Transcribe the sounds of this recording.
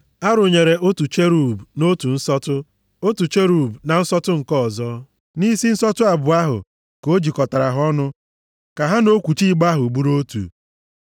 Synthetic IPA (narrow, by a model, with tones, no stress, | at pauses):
a˦ɾʊ˨ɲe˨ɾe˨o˦tu˨t͡ʃe˦ɾu˨bno˦tu˨n̩˦sɔ˦tʊ˦ | o˦tu˨t͡ʃe˦ɾu˨bna˨n̩˦sɔ˦tʊ˦ŋ̩˨kɔ˦˨zɔ˦ | ni˦si˦n̩˦sɔ˦tʊ˦a˨bʊ˨a˦ɦʊ̰˨ | ko˦d͡ʒi˨kɔ˨ta˨ɾa˨ɦɔ˦nʊ˦ | ka˨ɦa˦no˦kʷu˨t͡ʃi˦˨ɡ͡ba˦ɦʊ˨bu˦ɾo˦tṵ˨